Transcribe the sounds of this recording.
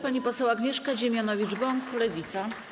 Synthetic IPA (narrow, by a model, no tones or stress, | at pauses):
paɲipɔsɛwaɡɲɛʂkaʑemʲjanɔvʲid͡ʐbɔŋklɛvʲit̪sa